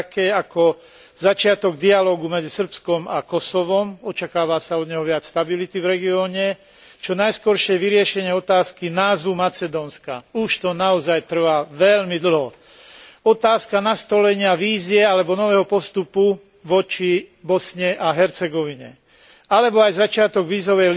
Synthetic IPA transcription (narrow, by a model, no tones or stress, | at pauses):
kɛːakɔ | zat͡ʃɪat̪ɔɡ̚d̪ialɔːɡumɛd͡zisr̩pskɔmakɔsɔʋɔmɔt͡ʃakaːʋasaɔd̪ɲɛɦɔʋɪat͡sst̪abilit̪ivɾɛɡiɔːɲɛ | t͡ʃɔnajskɔɾʃɪɛʋiɾɪɛʃɛɲɪɛɔt̪aːskinaːzʋumat͡sɛd̪ɔːnska̰uʃt̪ɔnaɔzajt̪r̩ʋaːʋɛʎmid̪l̩ɦɔ | ɔt̪aːskanast̪ɔlɛɲɪaʋiːziɛalɛbɔnɔʋɛːɦɔpɔst̪upu | ʋɔt͡ʃibɔsɲɛʔaɦɛɾt͡sɛɡɔʋiɲɛ̰ | alɛbɔajzat͡ʃɪat̪ɔɡʋiːzɔʋɛj